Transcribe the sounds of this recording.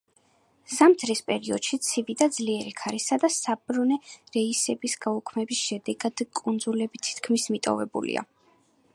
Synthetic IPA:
z̥amt̪ʰɾispʼɛɾiɔ̰d̪̥ʃit̪sʰivid̪ad̪zliɛɾikʰaɾisad̪asabɾunɛɾɛisɛbisɡaukʰmɛbisʃɛd̪ɛɡad̪̥kʼund̪zulɛbit̪ʰi̥t̪ʰkʰmismit̪ʼɔ̰vɛbṵlḭa̰

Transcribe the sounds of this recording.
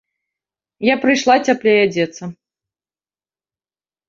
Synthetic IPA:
japɾɨjʂlˠat͡sʲaplʲɛjad͡zʲɛt̪sɐ

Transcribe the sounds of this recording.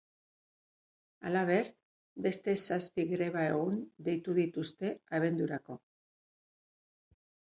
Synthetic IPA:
a̰laβ̞e̞ɾ | be̞st̪e̞saspiɣɾe̞β̞aeɣund̪e̞jt̪uðit̪ust̪e̞aβe̞nd̪uɾako̞

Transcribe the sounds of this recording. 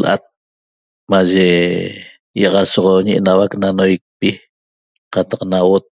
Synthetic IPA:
lʔa̰t̪̚ | maʒe | jɑʁɑsɔʁoɲiʔḛnawaknanojk̚pi | qat̪aqnawot̪̚

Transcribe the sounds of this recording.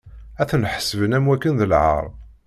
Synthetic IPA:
æθənħə̥səvənæmwækːənðəlʕə̰ɾˤ

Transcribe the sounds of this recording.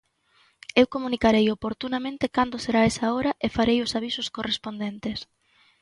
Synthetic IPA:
ewkomunikaɾejopoɾt̪unamẽnt̪ɪkand̪ʊseɾaesaoɾɐʔefaɾejʊsaβ̞isʊskorespond̪ent̪es

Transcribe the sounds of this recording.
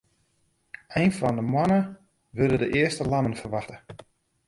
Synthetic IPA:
ɛjnfɔndəmwanə | ʋʏdədəʔɪəstəlanənfərʋaxtə

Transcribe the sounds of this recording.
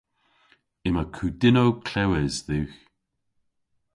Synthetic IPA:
ɪmakʰuːdɪnowkʰlɛwɛzðʉx

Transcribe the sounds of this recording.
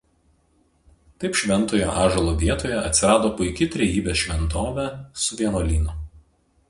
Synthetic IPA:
t̪ɐɪpʃʲʋʲɛnt̪oːjo̰ːʔɑːʒɐlˠoːʋʲiɛt̪oːjɛɐt̪ʲsʲɪɾɑːd̪oːpʊɪkʲɪt̪ʲɾʲɛjiːbʲeːsʃʲʋʲɛnt̪oːʋʲɛsʊʋʲiɛnoːlʲiːnʊ

